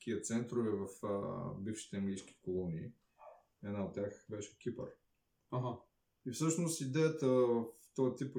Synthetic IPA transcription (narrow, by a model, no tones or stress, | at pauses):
kiət̪sɛnt̪ɾovɛvɐfə̰bifʃi̥t̪ɛɐŋɡlijski̥kolˠɔniː | ɛd̪naot̪ːʲjaxbɛʃɛ̥kʲipəɾ | aɦa | ifsɤʃnost̪id̪ɛjət̪əvɐft̪ɔjət̪ip